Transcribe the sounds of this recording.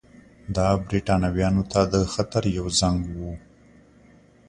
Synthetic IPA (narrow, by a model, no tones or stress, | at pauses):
d̪ɑbɾiʈɑnawjɑnot̪ad̪əxat̪aɾjawzaŋɡwu